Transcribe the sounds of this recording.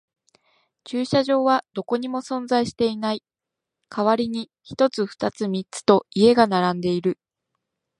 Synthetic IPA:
t͡ɕɨːɕaʑo̞ːβad̪o̞ko̞ɲ̟imo̞sõ̞nd͡zaiɕi̥t̪e̞inai | kʰaβaɾʲiɲ̟i | çi̥t̪o̞t͡sɨɸɯ̥t̪at͡sɨmʲit͡sɨ̥t̪o̞ie̞ɡanaɾãnd̪e̞iɾɯ̟

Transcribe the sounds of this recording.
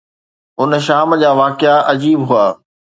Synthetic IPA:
ʊnʃaːmd͡ʑaːʋaːkɪaʔɐd͡ʑiːbɦʊaː

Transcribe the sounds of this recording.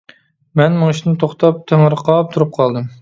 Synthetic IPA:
mɛnmʊŋiʃinɪt̪ʰoχt̪ʰɑp̚t̪ʰeŋəɾqʰɑp̚t̪ʰuɾup̚qʰɑlˠd̪ɨm

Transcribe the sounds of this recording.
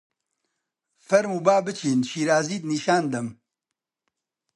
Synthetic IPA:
fɐɾmuːbaːbɨt͡ʃʰiːnʃiːɾaːziːt̪niːʃaːnd̪ɐm

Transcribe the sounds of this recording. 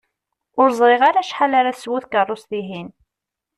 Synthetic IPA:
ʊɾzˤɾeʁaɾaʃħalaɾaswuθkərˤːosθiɦin

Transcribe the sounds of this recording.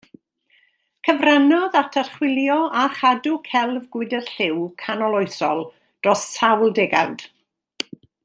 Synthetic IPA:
kʰəvranɔðatʰarχwɪlˠjɔaχadʊkʰɛlˠvɡwɪdərɬɪwkʰanɔlˠoɨsɔlˠ | d̥rɔstʰawlˠdɛɡa̰wd̥

